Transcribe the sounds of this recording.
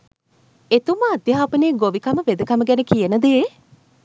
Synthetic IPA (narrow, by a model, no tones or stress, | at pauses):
et̪uməɐd̪jɐɦaːpəneːɡoʋikaməʋed̪əkaməɡænəkijənəd̪eː